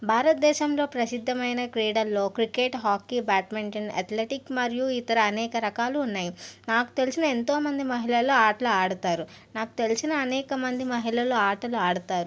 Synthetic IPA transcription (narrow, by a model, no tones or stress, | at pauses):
bʱaːɾɐt̪̚d̪ɛːʃɐmlo̞ːpɾɐsid̪ʱːɐmɐjnɐkɾɛːɽɐlːo̞ːkɾikeʈɦaːkːibaːʈmeɳʈinɐ̰t̪leːʈikmɐɾjuit̪ɐɾɐːnɛːkɐɾɐkaːluːnːaːjinaːku̥t̪e̞lisinɐe̞nt̪o̞ːmɐnd̪imɐɦilɐlːoaːʈluaːɽut̪aːɾu | naːku̥t̪e̞lisinɐːnɛːkɐmɐnd̪imɐɦilɐloaːɾʈɐluaːɽut̪aːɾu